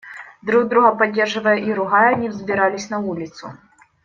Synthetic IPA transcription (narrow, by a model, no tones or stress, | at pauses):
d̪ɾuɣd̪ɾuɣɐpadʲːɛrʐɨvɐjɛʔiɾuɣajɛnʲivzʲbʲiɾalʲisʲnɐvulʲit̪sʊ̰